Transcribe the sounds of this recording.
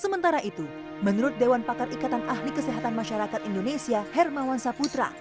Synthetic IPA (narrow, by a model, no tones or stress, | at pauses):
səmənt̪aɾaʔit̪u | mənuɾʊt̪̚dewanpakarʔikat̪anʔahlikəseɦat̪anmaʃaɾakat̪indonesiahɛrmawansaput̪ɾa̰